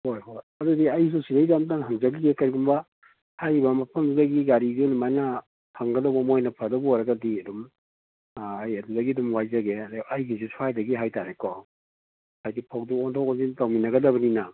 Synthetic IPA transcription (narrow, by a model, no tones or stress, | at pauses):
hojɦoj | ɐdudiɐjs̬usidɐɡizamtaŋɦaŋzɐɡiɡekɐɾiɡumbɐ | hajbɐmɐpʰɐmdudaɡiɡaɾiɡunimajnɐ | haŋɡɐdɐwbɐmojnɐpʰadɐbuɔjɾɐɡɐdiɐdum | jɐdudɐɡidumwajzɐɡedɐjɡisusuajdɐɡiɦajtaɾekɔ | hajdipʰawduɔntʰɔkazitawminɐɡɐdɐbɐnina